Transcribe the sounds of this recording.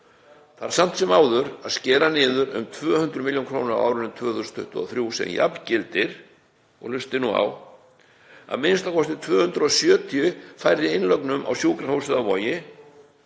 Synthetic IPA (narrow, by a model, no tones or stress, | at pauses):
θaɾ̥sam̥t̪sɛmaːwðʏɾaðscɛːɾanɪːðʏɾʏ̰mt̪ʰvœːhʏnt̪ɾʏmɪljownkʰɾoːnaɾa̰a̰wɾʏnʏmt̪ʰvœːθʏɾst̪ʰʏht̪ʏðɔ̰θɾjusɛ̰nja̰plcɪlt̪ɪɾ̥ | ɔ̰ɣlʏst̪ɪnua̰w | a̰ðmɪnst̪akʰɔst̪ɪt̪ʰvœːhʏnt̪ɾʏɔsjœːt̪ʰiʏfajɾɪɪnlœknʏma̰wsjuːkɾahoːwsɛðavɔːjɪ